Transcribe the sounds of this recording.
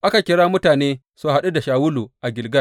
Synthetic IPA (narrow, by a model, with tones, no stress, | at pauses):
ʔa˦ka˨kʲɪ˨˦ɽaː˦mʊ˦taː˨neː˦ | su˦ha˦ɗu˦da˨ʃaː˨wʊ˦luː˨ʔa˨ɡʲɪ˨lɡɐ˦